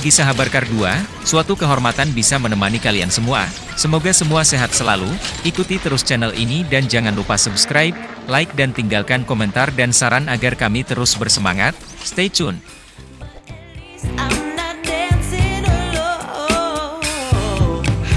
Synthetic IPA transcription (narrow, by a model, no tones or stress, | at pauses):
ɡisaɦabarkardua | suat̪ukəɦɔrmat̪anbisamənəmanikalia̰nsəmua̰ | səmoɡasəmuaseɦat̪̚səla̰luikut̪it̪əɾʊst͡ʃɛnəlʔḭnidand͡ʒaŋanlupasubskɾajp̚laɪk̚dant̪iŋɡalkankomɛnt̪ardansaɾanaɡarkamit̪əɾʊsbərsəma̰ŋat̪̚ | st̪et͡ʃʊn | mnadɛnsinl